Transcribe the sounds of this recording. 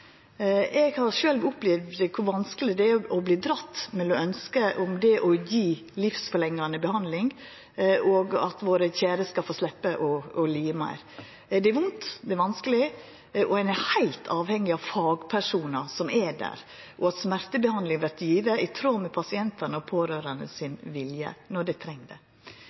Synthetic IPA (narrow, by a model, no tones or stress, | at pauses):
ɛɡhɑɾʂøːlʋʊplɛʋd̪kʰʊɾʋɑnskəlɪd̪ɛæɔbliːd̪ɾɑt̪ːmɛlɔœnskəʔʊmd̪ɛʔɔjiː | lɪfsfɔɾlɛŋːɑnəbɛhɑnd̪lɪŋ | ʔoːɡɑ̰t̪ʋoːɾəçæːɾəskɑlfoːslɛpːəʔɔɔliːəmæ̰ɪɾ | d̪ɛɛɾʋʊnt̪d̪ɛæɾʋɑnskəlɪ | ʔɔænɛhæɪlt̪ʰɑːʋhɛŋːɪɑʋfɑːɡpʰæʂuːnɑsɔmɛɖæ̰ːɾ | ʔɔɑt̪smæɾt̪əbəhɑnd̪lɪŋʋæt̪jiːʋəʔɪt̪ʰɾoːmɛpʰɑsɪɛnt̪ɑnəɔpʰoːɾøːɾənə̰sɪnʋɪljə̰nɔɖæt̪ʰɾɛŋd̪ɛ̰